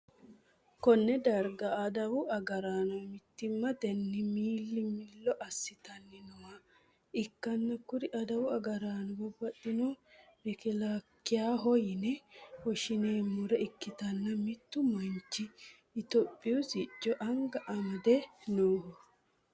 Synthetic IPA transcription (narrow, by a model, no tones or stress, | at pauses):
kɔnːɛd̪ɐɾɡɐːd̪ɐwʊɐɡɐɾaːnɔmɪt̪ːɪmːɐd̪ɛnːɪmiːlːɪmɪlːɔʔɐsːɪt̪ɐnːɪnɔwa | ɪkːɐnːɐkʊɾɪʔɐd̪ɐwʊɐɡɐɾaːnɔbɔbːɐt̪ːɪnɔbɪkɪlakːɪjaːɦɔjɪnɛwɔʃɪneːmːʊɾɛɪkːɪt̪ɐnːɐmɪt̪ːʊmɔnt͡ʃːɪː | t̪ɔpʼːɪwʊsɪt͡ʃːɔʔɐŋɡɐʔɐmɐd̪ɛnoːhɔ